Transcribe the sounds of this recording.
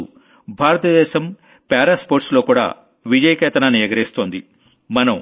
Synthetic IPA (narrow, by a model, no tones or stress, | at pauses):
ṵ | bʱaːɾɐt̪ɐd̪ɛːʃɐm | pɛːɾaːspoːɾʈslo̞ːkuːɽa̰ː | ʋid͡ʒɐjɐkɛːt̪ɐnaːniːɾɐɡɐɾeːst̪oːnd̪i | mɐnɐm